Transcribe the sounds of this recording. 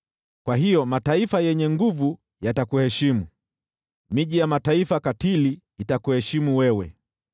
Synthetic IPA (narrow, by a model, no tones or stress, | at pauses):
kwaɦijɔmataifajɛɲɛŋɡuvu | jatakuhɛʃimu | miʄijamataifakatiliː | takuhɛʃimuwɛwɛ